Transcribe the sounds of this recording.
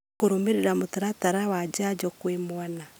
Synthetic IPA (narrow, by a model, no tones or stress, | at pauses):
koɾomeɾeɾamotaɾataɾawad͡ʒad͡ʒɔkwemwana